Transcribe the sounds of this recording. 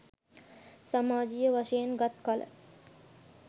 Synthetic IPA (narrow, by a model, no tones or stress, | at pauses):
samaːd͡ʒijəʋaʃəjenɡat̪kalə̰